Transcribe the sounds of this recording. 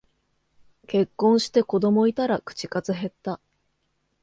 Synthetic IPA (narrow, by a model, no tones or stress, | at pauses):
ke̞kːõ̞ɰ̃ɕi̥t̪e̞ko̞d̪o̞mo̞it̪aɾakɯ̥t͡ɕi̥kazɨɦe̞t̪ːa